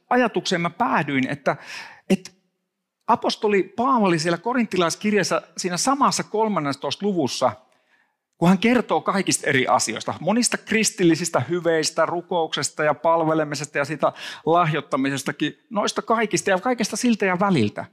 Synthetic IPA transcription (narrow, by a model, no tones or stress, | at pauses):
ɑjɑt̪ukseːmæpæːdyinḛt̪ːæet̪ | ʔɑpost̪olipɑːʋɑlisielækorint̪ːilɑiskirjesːæsiːnæsɑmɑsːɑkolmɑnːest̪oist̪luʋusːɑ | kuhæŋkert̪oːkɑikist̪erḭʔɑ̰sio̰ist̪ɑ̰monist̪ɑkrist̪ilːisist̪æhyʋeist̪ærukouksest̪ɑjɑpɑlʋelemisest̪ɑjɑsiːt̪ælɑhjot̪ːɑmisest̪ɑkinoist̪ɑkɑikist̪ɑjɑkɑikest̪ɑsilt̪æjɑʋælilt̪æ̰